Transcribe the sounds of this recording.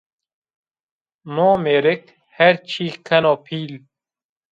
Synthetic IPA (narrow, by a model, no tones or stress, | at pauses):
noːmeɾek | heɾt͡ɕʰiːxkʰːɐnoːpʰiːl